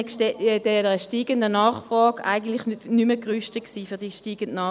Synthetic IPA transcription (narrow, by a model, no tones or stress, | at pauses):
dɛnʁəʃtiːɡəndənɑːχfʁɔːɡʔa̰ɪɡən̩tlɪχnyməkʁyʃtəksiːfyɐd̥iʃtiːɡ̥əntnɑː